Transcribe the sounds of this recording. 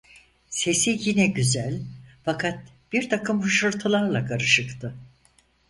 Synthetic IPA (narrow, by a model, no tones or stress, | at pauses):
se̞sijinɛɟyzælʲfakʰat̪̚ | b̥iɾt̪ʰakʰɯmhɯʃɯɾt̪ʰɯlˠaɾlˠakʰaɾɯʃɯkt̪ʰɯ